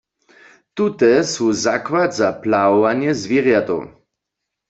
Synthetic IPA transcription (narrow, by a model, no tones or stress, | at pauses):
t̪ut̪ɛsuzakwad̪zaplaɔvanjɛzviʁjat̪o̰w